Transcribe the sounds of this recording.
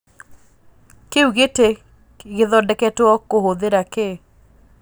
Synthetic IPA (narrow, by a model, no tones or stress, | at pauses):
keuɣete | ɣeðɔdɛkɛtwɔkohoðeɾake